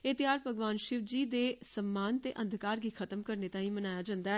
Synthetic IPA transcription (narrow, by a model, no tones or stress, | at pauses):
eːt̪ɪjaːɾpəɡʋaːnʃɪʋd͡ʒiːd̪eːsəmːaːnt̪ḛːʔə̃nd̪ʱkaːɾɡiːkʰət̪əmkəɾnet̪ãːĩːmənaːjaːd͡ʒãːnd̪aɛː